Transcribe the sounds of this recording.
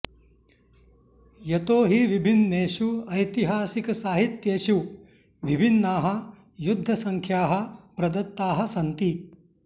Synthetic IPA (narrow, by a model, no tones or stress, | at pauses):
jɐt̪oːɦiʋibʱinːeːʃuɐjt̪iɦaːsikɐsaːɦit̪jeːʃu | ʋibʱinːaːɦɐ̆ | jud̪ʱːɐsɐŋkʰjaːɦɐ̆pɾɐd̪ɐt̪ːaːɦɐsɐnt̪i